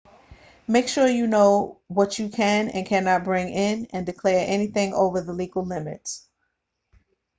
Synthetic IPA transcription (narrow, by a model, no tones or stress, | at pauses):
meɪkʃʊɹjɨnoʊwʌt͡ʃɨkʰɨ̃nɨ̰̃nkʰænɑt̚b̥ɹɪ̃ŋɪ̃nɨ̃ndɨkʰl̥ɛɹʔɛniθɪ̃ŋo̰ʊvə˞ðəliɡl̩ˠlɪ̃mɨ̰ts